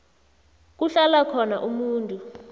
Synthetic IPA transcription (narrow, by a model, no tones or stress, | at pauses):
k̬ʼuɬalakʰɔnaʔumuːntʼu